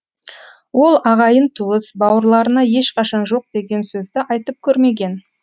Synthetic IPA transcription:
wo̞lˠɑʁɑjənt̪ʰuəsbɑwəɾlˠɑɾənɑje̞ʃqɑʃɑnʒo̞q̚d̪e̞ɡʲe̞nsɵzd̪ɪʔɑjt̪əp̚kʲʰɵɾme̞ɡʲe̞n

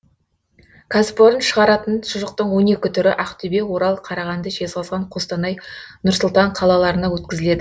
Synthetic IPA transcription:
kʰaspo̞ɾənʃəʁɑɾɑt̪ənʃʊʒəq̚t̪əɴwo̞ne̞kʲɪt̪ʰʏɾɪʔæqt̪ʰʏbe̞wo̞ɾɑlˠqʰɑɾɑʁɑnd̪əʒe̞zʁɑzʁɑɴqʰost̪ɑnɑjnʊɾsʊlˠt̪ɑɴqʰɑlˠɑlˠɑɾənɑwɵt̪̚kʲɪzɪle̞d̪ɪ

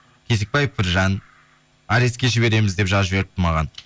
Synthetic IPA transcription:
kʲʰe̞sek̚pɑjefpʰɪɾʒɑn | ɑɾeskʲe̞ʒɪbe̞ɾe̞mɪzd̪e̞pʒɑʒɪbe̞ɾɪp̚t̪ɪmɑʁɑn

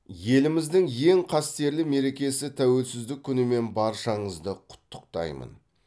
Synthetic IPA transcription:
je̞lɪmɪzd̪ɪŋje̞ŋqʰɑst̪e̞ɾlɪme̞ɾe̞kʲe̞sɪt̪ʰæwe̞lsɪzd̪ɪkʲʰːʏnɪme̞nbɑɾʃɑɴəzd̪əqʰʊ̥t̪ːə̥q̚t̪ɑ̰jmə̰n

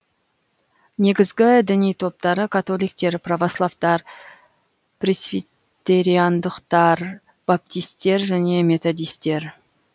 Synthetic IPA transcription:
ne̞ɡʲɪzɡʲɪd̪ɪnijt̪ʰo̞p̚t̪ɑɾəkʰat̪o̞lijk̚t̪e̞ɾpravoslˠavt̪ɑɾ | prʲesvi | t̪e̞ɾijand̪əqt̪ɑɾ | b̥ap̚t̪ijst̪e̞ɾʒæne̞me̞t̪o̞d̪ijst̪e̞ɾ

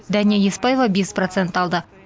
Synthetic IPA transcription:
d̪ænʲijajespɑjevabʲesprot̪sent̪ɑlˠd̪ə

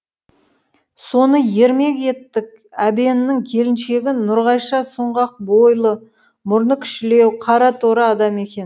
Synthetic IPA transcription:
so̞nəje̞ɾme̞ke̞t̪ːɪk̚ | æbe̞nɪnːɪŋkʲʰe̞lɪnʃe̞ɡʲɪnʊɾʁɑjʃɑsʊɴʁɑq̚bo̞jlˠə | mʊɾnəkʲʰʏ̥ʃɪle̞wqʰɑɾɑt̪ʰoɾɑɑd̪ɑme̞kʲe̞n

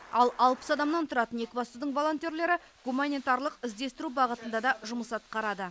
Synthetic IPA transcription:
ɑlˠɑlˠpə̥sɑd̪ɑmnɑnt̪ʰʊɾɑt̪əne̞kʲɪbɑst̪ud̪əɴvo̞lˠo̞nt̪ʲje̞ɾle̞ɾɪ | ɡumanʲet̪ɑɾlˠəqɪzd̪e̞st̪ɪɾubɑʁət̪ənd̪ɑd̪ɑʒʊməsɑt̪̚qɑɾɑd̪ə

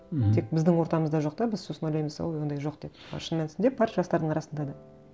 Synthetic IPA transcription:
t̪ʰe̞k̚bɪzd̪ɪŋwo̞ɾt̪ɑməzd̪ɑʒo̞qd̪ɑbɪzso̞sənojlɑjməzsɑ̰lˠjwo̞nd̪ɑjʒo̞q̚d̪e̞pɑ̰ʃənmensɪnd̪ep̚pʰɑɾʒɑst̪ɑɾd̪əɴɑɾɑsənd̪ɑd̪ɑ

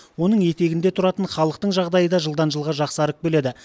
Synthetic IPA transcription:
wo̞nəɴje̞t̪e̞ɡʲɪnd̪e̞t̪ʰʊɾɑt̪əɴχɑlˠəq̚t̪əɴʒɑʁd̪ɑjəd̪ɑʒəlˠd̪ɑnʒəlˠʁɑʒɑqsɑɾək̚bɵle̞d̪ɪ

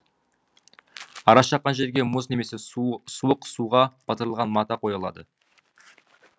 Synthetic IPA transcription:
ɑɾɑʃɑqːɑnʒe̞ɾɡʲe̞mʊzne̞me̞sesuəqsuʁɑb̥ɑt̪əɾəlˠʁɑnmɑt̪ɑqʰo̞jɑlˠɑ̰d̪ə

